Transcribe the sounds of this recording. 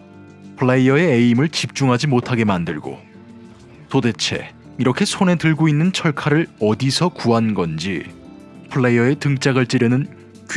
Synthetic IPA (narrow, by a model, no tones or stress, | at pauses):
pʰɯɭːeiʌe̞eimɯɭt͡ɕip̚t͡ɕ͈uŋɦad͡ʑimotʰaɡe̞mandɯɭɡo̰ | tode̞t͡ɕʰe̞̰ | iɾʌkʰe̞sʰone̞tɯɭɡoinːɯnt͡ɕʰʌɭkʰaɾɯɭʌdisʰʌkuɦanɡʌnd͡ʑi | pʰɯɭːejʌe̞tɯŋt͡ɕ͈aɡɯɭt͡ɕ͈iɾjʌnɯn | k